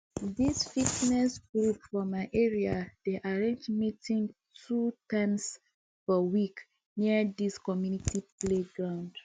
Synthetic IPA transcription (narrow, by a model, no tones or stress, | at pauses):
disfitnɛsɡɹupfɔmaɪʔeɹiad̥eʔaɹẽnd͡ʒmitĩŋtʰutãms | fɔwik | niədiskɔmjunitipleɡɹãʊ̃nd̥